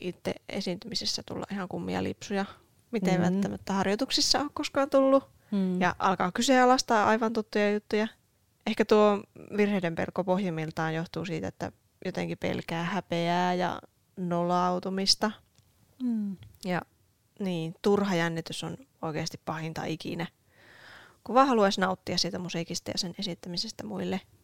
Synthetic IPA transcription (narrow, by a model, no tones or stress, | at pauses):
ʔit̪ːḛḛsiˑnt̪ymisesːæt̪ṵlːɑʔihɑŋkumːḭɑ̰lḭpsujɑ | mit̪eʋʋæ̰lt̪ːæmæt̪ːæhɑrjot̪uksisːɑoːkkoskɑːnt̪ulːu | jɑʔɑlkɑ̰ːkyseɑlɑst̪ɑːʔɑiʋɑnt̪ut̪ːujɑjut̪ːujɑ | ʔehkæt̪uoʋirheidempḛlkːopohjimilt̪ɑːjjoht̪uːsiːt̪æḛt̪ːæ̰ | jot̪ḛŋkipḛlkæːhæpeæːjɑ̰ | nolɑut̪umist̪ɑ | jɑ | niːt̪urhɑjænːit̪yso̰noikeːst̪ippɑhint̪ɑ̰ʔikḭnæ | kuʋɑːhɑluɑsnɑut̪ːiɑssiːt̪æmusiːkist̪ɑjɑ̰senesit̪ːæmisest̪æmuilːe